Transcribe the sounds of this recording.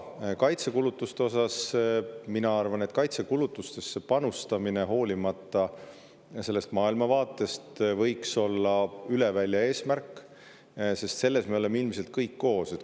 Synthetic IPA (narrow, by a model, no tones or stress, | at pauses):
kɑjt̪sekulut̪ːˑust̪e̞o̞sɑs | minɑɑrvɑne̞t̪kɑjt̪sekulut̪ːˑust̪e̞sːe̞pɑnust̪ɑmineɦo̞ːlʲimɑt̪ːˑɑ | se̞lːe̞st̪mɑːilmɑvɑːt̪ːˑe̞st̪vɤjkso̞lːɑylevælʲːjɑe̞ːsmærkːˑ | se̞st̪se̞lːe̞smeo̞le̞meilmise̞lt̪̚kɤjkːo̞ːse̞t̪